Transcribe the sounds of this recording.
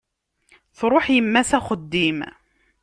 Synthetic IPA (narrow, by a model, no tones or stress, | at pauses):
θɾˤʊħjəmːæsæxəd̪ːim